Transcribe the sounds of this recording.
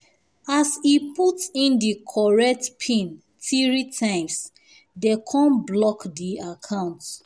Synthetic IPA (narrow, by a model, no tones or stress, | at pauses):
asiputĩndikʰɔɹɛk̚tpʰĩn | tʰiɹitʰãɪ̃ms | dekʰɔ̃nblɔkdiakʰãʊ̃nt